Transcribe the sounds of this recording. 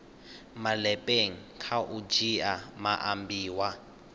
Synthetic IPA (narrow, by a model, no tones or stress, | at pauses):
malɛpʼeŋ̩kʰaʔud͡ʒiamaʔambiːwa